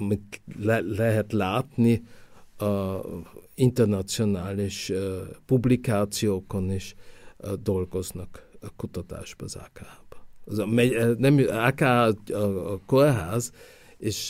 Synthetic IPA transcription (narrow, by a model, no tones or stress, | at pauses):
mit̪lɛlɛɦɛt̪laːt̪ni | int̪ɛrnɒt̪sio̞naːliʃpublikaːt̪sijoːkoniʃ | d̪olɡo̞znɒkkut̪ɒt̪a̰ːʒbɒːza̰kaːb̥zmɛnɛmakaː | korɦaːz | eʃ